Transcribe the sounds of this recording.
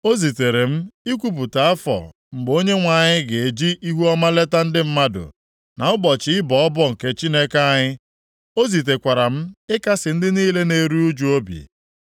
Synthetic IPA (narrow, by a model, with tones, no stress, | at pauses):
o˦zi˨te˨ɾe˨m̩˦i˦kʷu˦p̬u˨ta˨a˦fɔ̰˨ | ŋ͡m̩˨ɡ͡bo˦ɲe˦ŋʷa˨ɲɪ˦ɡe˨e˨d͡ʒi˦ʔi˦ɦu˦ɔ˦ma˦le˦ta˦n̩˦dɪ˦m̩˦ma˦dʊ̰˨ | na˨ʊ˦ɡ͡bɔ˨t͡ʃɪ˦ɪ˦bɔ˨ɔ˦bɔ˦ŋ̩˨ke˦t͡ʃi˦ne˦ke˦a˦ɲɪ˦ | o˦zi˨t̬e˨kʷa˨ɾa˨m̩˦ɪ˦ka˦sɪ˨n̩˦dɪ˦niː˦le˦ne˨ɾu˦u˦d͡ʒu˨o˦bḭ˨